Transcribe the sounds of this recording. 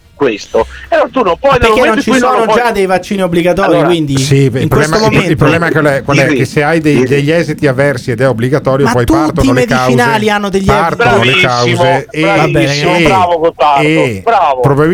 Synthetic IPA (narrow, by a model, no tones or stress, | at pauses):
kwest̪oeɾɔt̪unompwɔjd̪peaɾenːont͡ʃisɔːnod͡ʒd͡ʒad̪ːejvat͡ʃːiːniobːliɡat̪ɔːɾjikwind̪isiiŋpɾwbeɛsmomomilpɾoblɛːmaklɛkwalɛkːesːeajd̪ejd̪eʎːɛzit̪iavːɛrsied̪ɛobliɡat̪ɔːɾjopɔjpt̪part̪onolmedk̪at͡ʃwinaːlianːod̪eʎːart̪nolekawzeeabsiɾavokont̪aeobɾaːvopɾobabi